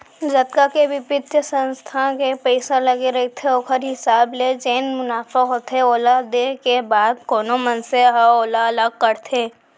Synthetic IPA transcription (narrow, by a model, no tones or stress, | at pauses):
d͡ʒɐt̪̚kakeʋɪpɪt̪jəsə̃nst̪ʰakepɛɪsalɐɡeɾɐit̪ʰeoːkʰəɾɦɪsaːbled͡ʒeːnmʊnaːfaɦoːt̪ʰeoːlad̪ekebaːd̪̚koːnomənseɦoːlaɐləɡ̚kəɾt̪ʰeː